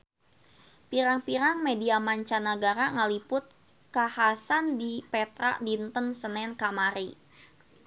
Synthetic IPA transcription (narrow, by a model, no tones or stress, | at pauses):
piɾaŋpiɾaŋmediamaɲt͡ʃanəɡaɾaŋəlipʊt̪̚ | kahasandipɛt̪ɾa̰ʔdint̪ənsənɛnkamaɾi